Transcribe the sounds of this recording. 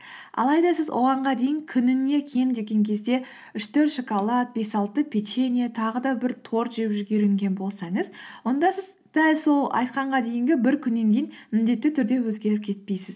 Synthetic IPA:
ɑ̰lˠɑjd̪ɑsɪzwʔo̞̰ʁɑɴʁɑd̪e̞jɪŋkʲʰʏnɪne̞kʲʰe̞md̪e̞ɡʲe̞ŋkʲʰe̞zd̪e̞ | ʏʃt̪ʰɵɾt̪ʃokolˠɑt̪̚be̞sɑlˠt̪əpʲʰet͡ʃenʲijat̪ʰɑʁəd̪ɑbɪɾt̪ʰo̞ɾʒepʒʏɡʲe̞ɾɪŋɡʲe̞nbo̞lˠsɑɴəzwo̞nd̪ɑsɪz | d̪̥ælʲso̞lˠɑ̰jt̪qɑɴʁɑd̪e̞jɪŋɡʲɪbɪɾkʲʰʏnːe̞ŋkʲejɪnmɪnd̪e̞t̪ːɪt̪ʰʏɾd̪e̞wɵzɡʲe̞ɾɪp̚kʲʰe̞t̪̚pejsɪz

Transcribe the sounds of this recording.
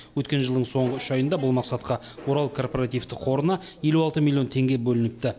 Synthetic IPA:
wɵt̪kʲe̞nʒəlˠd̪əɴso̞ɴʁəʏʃɑjənd̪ɑbʊlˠmɑqsɑt̪̚qɑ | wo̞ɾɑlˠkʰo̞rpoɾat̪ijft̪ɪqʰo̞ɾənɑje̞luɑlˠt̪əmʲilʲːˠijo̞nt̪ʰe̞ŋɡʲe̞bɵlɪnɪk̚t̪ɪ

